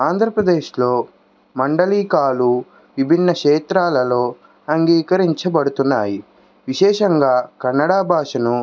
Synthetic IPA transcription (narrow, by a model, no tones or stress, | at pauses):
aːnd̪ʱɾɐpɾɐd̪eːʃlo̞ː | mɐɳɖɐliːkaːlu | ʋibʱinːɐkʂɛːt̪ɾaːlɐlo̞ː | ɐŋɡiːkɐɾiɲt͡ʃɐbɐɽut̪unːaːji | ʋiʃɛːʂɐŋɡaːkɐnːɐɽaːbʱaːʂɐnu